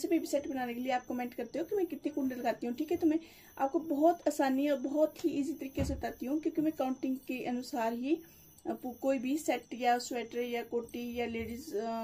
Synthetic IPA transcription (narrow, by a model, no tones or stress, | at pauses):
sebebisɛʈbənaːnekelieaːp̚kəmẽːɳʈkɐɾt̪eɦoːkimɛ̃ːkɪt̪nĩkʊɳɖələɡaːt̪iɦũʈʰiːkɦɛt̪ʊmẽ | a̰ːp̚kobɔːt̪aːsaːniɔːɾbɔɔːt̪ɦiiːzit̪əɾiːkesebt̪aːt̪iɦũːkjõːkimɛ̃ːkaːʊ̃ɳʈɪ̃ŋɡkeʔənʊsaːɾɦi | pkoːibʱisɛʈjaːswɛːʈəɾjaːkoːʈijaːleːɖiz